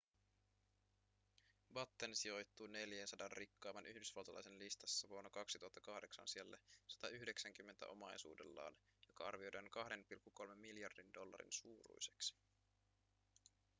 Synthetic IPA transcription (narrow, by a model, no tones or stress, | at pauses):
bɑt̪ːensio̞jt̪ːuːne̞ljensɑdɑnrʔikːɑːmɑnʔyhdysʋɑlt̪ɑlɑ̰jsenlist̪ɑsːɑʋuo̞nːokɑksit̪uɦɑt̪ːɑkɑhde̞ksɑ̰nsielːæ̰sɑ̥t̪ɑyhde̞ksæŋk̟ymːe̞nt̪æ̰ʔo̞̰mɑjsṵːde̞̰lːɑ̰ːn | jo̞kɑɑ̰rʋio̞jdɑŋkɑhde̞npilkːuko̞lme̞mːiljɑrdindo̞lːɑ̰ɾḭnsuːɾṵjse̞̥ksi̥